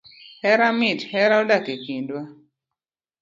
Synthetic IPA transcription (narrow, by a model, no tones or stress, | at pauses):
hɛɾamɪthɛɾaolakekindwa